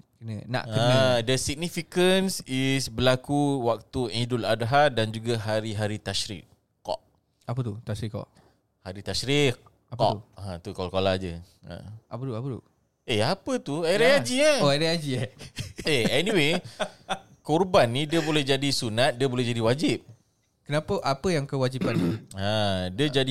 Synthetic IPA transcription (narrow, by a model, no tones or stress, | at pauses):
kənənã̰ʔkəadəsik̚nifikənsisbəlakuwak̚t̪uɛ̃dʊladɦadand͡ʒuɡaɦaɾiɦaɾit̪aʃɾḭʔ | kɔ̰ʔ | apət̪ut̪aʃɾiʔkɔ̰ʔ | haɾit̪aʃɾi | apkɔ̰ʔãt̪ukolkolad͡ʒə | ə̰a̰pətuapət̪ṵ | eapət̪uaɾead͡ʒiəoajɾead͡ʒi | eɛniwe | kɔrbanːidiəbolɛhd͡ʒadisunat̪̚diəbolɛɦd͡ʒadiwad͡ʒip̚ | kənapəʔapəjaŋkəwad͡ʒipanːiadiəd͡ʒad